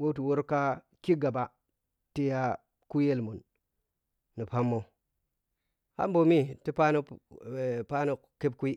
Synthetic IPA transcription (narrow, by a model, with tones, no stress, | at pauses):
wo˦tu˨wo˦ɾka˦ | ki˦ɡa˨ba˨ | ti˦ja˦ | ku˦je˦lmu˨n | i˨pa˦mːo˦ | ha̰˦mbo˨mi˦ti˦pa˦nu˦˨ | pa˦nu˦kke˦b̚kʷi˦